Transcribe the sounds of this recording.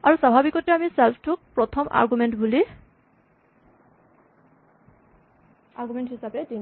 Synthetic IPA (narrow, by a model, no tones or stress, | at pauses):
aɹusabʱabikɔtɛamisɛlpʰtʰʊk̚pɹɔtʰɔmʔa̰ɹɡumɛntbuli | aɹɡumɛntɦisapɛdi